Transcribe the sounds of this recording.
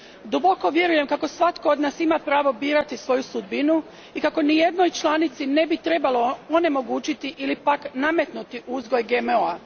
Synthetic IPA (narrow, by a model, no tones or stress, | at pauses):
d̪ubo̞ko̞ʋje̞ɾuje̞mkako̞sʋat̪kood̪naːsimapɾaːʋo̞biːɾat̪isʋo̞jusud̪binu | ikako̞nije̞d̪no̞jt͡ʃlˠaːnit̪sine̞bit̪ɾe̞balo̞one̞mo̞ɡuːt͡ɕit̪iʔilipakname̞t̪nut̪iʔuzɡo̞jɡemoa